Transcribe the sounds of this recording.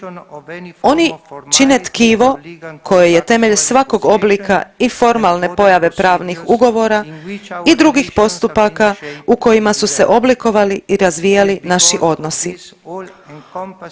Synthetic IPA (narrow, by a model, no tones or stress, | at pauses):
o̞nit͡ʃinet̪kiːʋo̞kʰo̞jeje̞t̪e̞me̞ʎsʋako̞ɡo̞bliːka̰ifo̞ɾmalˠne̞po̞jaʋe̞pɾaːʋnixuɡo̞ʋo̞ɾaid̪ɾuɡixpo̞st̪upakauko̞jimasuse̞ʔo̞bliko̞ʋaliiɾazʋijalinaʃiʔo̞d̪no̞si